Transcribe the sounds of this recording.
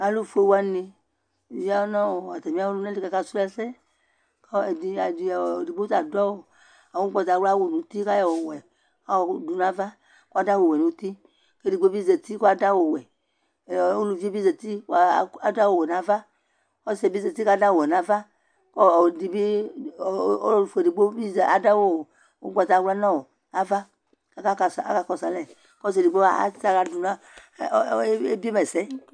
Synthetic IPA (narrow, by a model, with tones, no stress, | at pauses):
a˨lu˦fu˦e˨wo˦a˦ne˧˨ | vi˦a˦wo˦nɔ̃˦wo˨a˨t̪ɛ˨mĩ˦a˦wo˦lu˦nã˦li˦ka˨ka˦su˦lɛ˦sɛ˦ | kɔ˦e˨di˨˦a˨di˨di˨ɡ͡bta˨dɔ˦wo˨ | a˨wo˦ɡ͡bɔ˨ta˨˦wa˦wo˨nũ˨˦t̪i˦ka˦jɔ˨wɔ˨wɛ˨ | a˨˦wɔ˨˦du˨nã˨˦va˦ | ko˦a˦da˦wo˨wɛ˨nũ˨˦t̪i˦ | ke˦di˨ɡ͡be˦bi˦ze˨t̪i˦ko˦a˨da˦wo˨wɛ˨˦ | o˦lu˨vi˦bi˦ze˨t̪i˦˨a˨da˦wo˨wɛ˨nã˨˦va˦ | ɔ˦sɛ˨bi˦ze˨t̪i˦ka˦da˦wo˨wɛ˨nã˨va˦ | kɔ˦˨di˨bi˦˨ | o˦u˨fe˨di˨ɡ͡bo˦bi˦za˨da˦wo˦˨ | o˦ɡ͡ba˨ta˨˦wla˦nã˦wo˨ | a˦va˦ | ka˦ka˦ka˨sa̰˦ka˨kɔ˨sa˨lɛ˨ | kɔ˦s̬e˨di˨ɡ͡bo˦a̰˨˦ta˨ka˨du˨nã˦ | e˦bi˦e˦mɛ˨sɛ˦